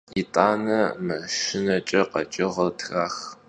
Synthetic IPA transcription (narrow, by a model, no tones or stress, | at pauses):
itʼaːnɐmɐʃɪnɐt͡ʃʼɐqɐt͡ʃʼɪʁɐtʰxaːx